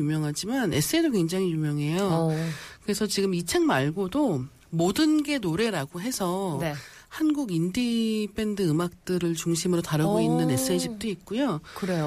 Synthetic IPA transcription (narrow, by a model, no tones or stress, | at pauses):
umjʌŋɦad͡ʑimane̞s͈ʰɯedok̬we̞ŋd͡ʑaŋijumjʌŋɦe̞jo | kɯɾe̞sʰʌt͡ɕiɡɯmit͡ɕʰaŋmaɭɡodo | modɯnɡe̞noɾe̞ɾaɡoɦe̞sʰʌne | hanɡuɡindipʰe̞ndɯɯmak̚t͈ɯɾɯɭt͡ɕuŋɕʰimɯɾotaɾɯɡoinːɯne̞s͈ʰɯeɕʰik̚t͈oik̚k͈ujokɯɾe